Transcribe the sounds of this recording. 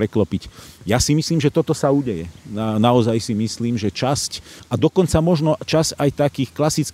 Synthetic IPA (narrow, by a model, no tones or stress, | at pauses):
ɾɛklɔpicjasimisliːmʒɛt̪ɔt̪ɔsauːɟɛjɛ̰nanaɔzajsimisliːmʒɛt͡ʃascad̪ɔkɔnt͡samɔʒnɔt͡ʃazajt̪akiːxklasit͡s